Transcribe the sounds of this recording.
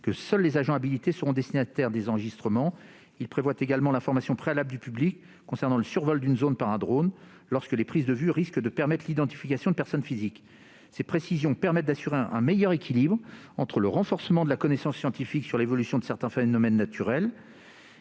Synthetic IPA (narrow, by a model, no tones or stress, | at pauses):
kəsœlːezaʒɑ̃abilit̪esəʁɔ̃d̪ɛst̪inat̪ɛʁd̪ezɑ̃ʁəʒist̪χəmɑ̃ | ilpχevwat̪eɡalmɑ̃lɛ̃fɔʁmasjɔ̃pχealabld̪ypyblikː | ɔ̃sɛʁnɑ̃ləsyʁvɔld̪ynzonpaʁɛ̃d̪ʁon | lɔʁskəlepχizd̪əvyʁiskd̪əpɛʁmɛt̪χʰlid̪ɑ̃t̪i̥fikasjɔ̃d̪əpɛʁsɔnfizik | sepχesizjɔ̃pɛʁmɛt̪̚d̪asyʁeʔɛ̰̃mɛjœʁekʲilibʁ | ɑ̃t̪χələʁɑ̃fɔʁsəmɑ̃d̪əlakɔnesɑ̃sːjɑ̃t̪ifiksyʁlevɔlysjɔ̃d̪əsɛʁt̪ɛ̃fenɔmɛnːat̪ʰyʁɛl